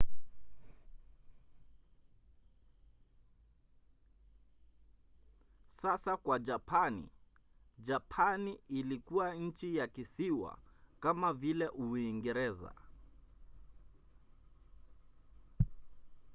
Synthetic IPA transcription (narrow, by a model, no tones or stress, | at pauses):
sasakwad͡ʒapʰanḭ | d͡ʒapʰaniilikuwaɲ̩t͡ʃijakisiwa̰kamavilɛʔuiŋɡɛɾɛza̰